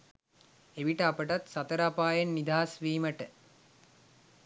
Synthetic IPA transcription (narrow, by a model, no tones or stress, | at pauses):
eʋiʈəapəʈat̪sat̪əɾapaːjenːid̪aːasʋiːməʈə